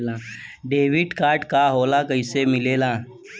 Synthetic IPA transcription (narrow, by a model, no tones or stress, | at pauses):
lãːɖeːʋɪʈkaːɾʈkaɦoːlakəɪsemɪleːlãː